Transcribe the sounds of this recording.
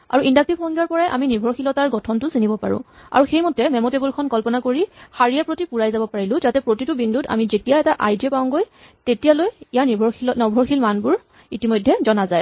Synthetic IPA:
a̰ɹuʔindak̚tiɔŋɡiɔɹpɔɹajʔa̰minibʱɔɹxilɔtaɹɡɔtʰɔntʊsinibɔpa̰ɹʊ̰̃a̰ɹuxejmɔtɛmɛmɔtebulkʰɔnkɔlpɔnakoɹixaɹijɛpɹotipuɹajzabɔpaɹilʊ̃zatɛpɹotitubindʱuta̰mizetijaɛtaʔajdiɛpaʊ̃ɡoj | tetijalojijanibʱɔilɔnɔbʱɔɹxilmanbʊɹ | itimojdʱːɛzɔnazaj

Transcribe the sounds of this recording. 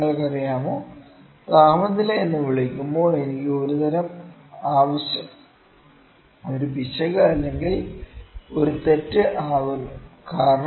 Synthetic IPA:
ɐɭkɐrijaːmoː | t̪aːmɐt̪ːileːnːɨʋiɭikʲːumbo̞ːe̞nikʲːɨo̞ɾut̪ɐɾɐm | aːʋɐɕjɐm | o̞ɾubʱiɕɐɣɐɭɐlːe̞ŋɡil | o̞ɾut̪e̞tːɨʔaːʋunːkaːɾɐɳ

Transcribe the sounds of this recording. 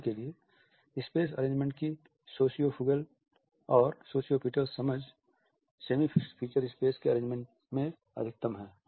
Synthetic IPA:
kelie | ɪspeːs̬ɐ̰ɾẽːd͡ʒmẽɳʈ̚ki | soːsijofʰʊɡəl | ɔːɾsoːsijopiːʈəɾsːɐməd͡ʒ | seːmipʰiːt͡ʃəɾɪspeːskeɐɾẽːd͡ʒmẽɳʈ | mẽ | ɐ̰d̪ʱɪk̚t̪əmɦɛː

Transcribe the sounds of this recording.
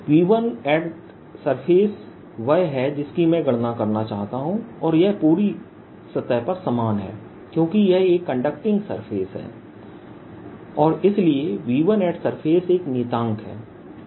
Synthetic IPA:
ʋiːʋənɛːɖ | sɐɾpʰeːs | ʋɐɦɛd͡ʒɪskimɛ̃ɡɐɽnakɐɾnat͡ʃaːɦt̪aɦũɔːɾjɛɦpuːɾi | sɐt̪ːəpɐɾsɐmaːnɦɛ̰ː | kjõːkijɛɦeːkːə̃ɳɖək̚ʈɪ̃ŋɡsə̰ɾpʰeːsɦɛ̰ː | ɔːɾɪslieʋiːʋənɛːɖsɐɾpʰeːseːknɪːt̪ãːŋkɦɛ̰ː

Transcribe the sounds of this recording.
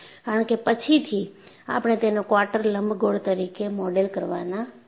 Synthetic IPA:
kaɾəɳkepət͡ʃʰit̪ʰi | a̰pɽ̃et̪enokʋaʈəɾləmbʱɡoɽt̪əɾikemɔɖelkəɾʋana

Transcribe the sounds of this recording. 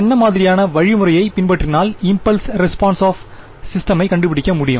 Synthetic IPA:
ɛnːɐmaːðɪɾɪjaːnɐʋɐɻɪmʊɾɐjɐɪpɪnpɐʈːrɪnaːlɪmpɐlsɾɛspaːnsaːf | sɪsʈɐmɐɪkɐɳɖɯpɪɽɪkʲːɐmʊɽɪjɯ̰m

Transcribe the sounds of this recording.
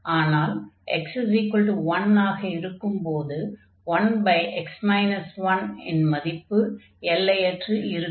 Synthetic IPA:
aːnaːlʔɛ̰ksɪzikɐlʈuʋɐnaːɣɐɪɾɯkːɯmpoːðɯ | ʋɐnbɐɪʔɛksmɐɪnɐsʋɐnɪ̰nmɐðɪpːɯ | ɛlːɐjɛʈrɯʔɪɾɯ

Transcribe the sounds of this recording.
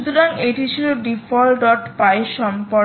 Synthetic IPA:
ut̪oɾaŋeʈit͡ɕʰiloɖifɔlɖɔʈpaeʃɔmpɔ

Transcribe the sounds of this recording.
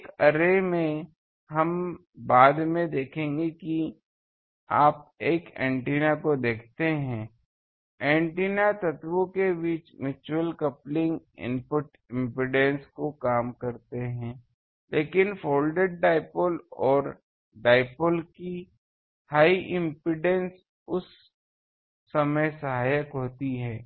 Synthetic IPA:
ekɐɾemẽ | ɦɐm | baːd̪mẽd̪eːkʰẽːŋɡeki | a̰ːp̚eːkɛ̰̃ːɳʈiːnakod̪eːkʰt̪eɦɛ̃ː | ɛ̃ːɳʈiːnat̪ɐt̪wõkebiːt͡ʃmɪt͡ʃuwəlkɐplɪ̃ŋɡ | ɪ̰̃mpʊʈ | ɪ̃mpɪɖẽnskokaːmkɐɾt̪eɦɛ̃ | leːkɪnfoːlɖeɖ̚ɖaːɪpolɔːɾ | ɖaːɪpəlki | haːiʔɪ̃mpɪɖẽns | ʊs | ɐməjsɐɦaːjəkɦoːt̪iɦɛː

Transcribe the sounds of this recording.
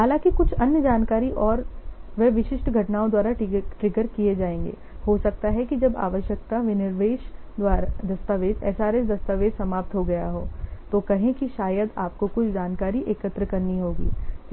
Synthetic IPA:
ɦaːlãːkikʊt͡ʃʰɐnjəd͡ʒaːnkaːɾiʔɔːɾʋeʋɪʃɪʃʈɡʱɐʈnaːõd̪waːɾaʈɾɪɡəɾkied͡ʒaːẽːŋɡḛː | hosɐk̚t̪aɦɛkid͡ʒɐba̰ːʋəʃjək̚t̪aʋɪnɪɾʋeːʃ | d̪waːɾd̪ɐst̪aʋeːd͡ʒ̪ɛ̰ːsaːɾesd̪ɐst̪aːʋeːd͡ʒsɐmaːp̚t̪ɦoɡɐja̰ɦo̰ːt̪okɐɦẽkiʃaːjəd̪aːp̚kokʊt͡ʃʰd͡ʒaːnkaːɾiʔeːkət̪ɾəkɐɾniɦoːɡḭː

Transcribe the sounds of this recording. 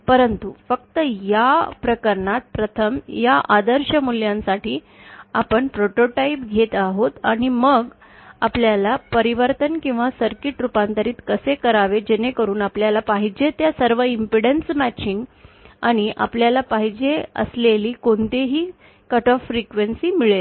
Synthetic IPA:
pəɾənt̪ufək̚t̪əjapɾəkəɾɳat̪̚pɾət̪ʰəmjaʔad̪əɾɕəmuljãnsaʈiː | apəɳpɾoʈoʈaipɡʱet̪aɦot̪aɽ̃iməɡ | apljalapəɾiʋəɾt̪ənkĩw̃ʋasəɾkiʈɾupãnt̪əɾiːt̪kəsekəɾaʋed͡ʑenekəɾuːnapljalapaɦid͡ʑet̪jasəɾʋəimpiɽənsmæt͡ɕiŋɡaɽ̃iʔa̰pljalapaɦid͡ʑeə̰sleliːkoɳt̪eɦiː | kəʈɔfːɾikʋensiːmiɭe

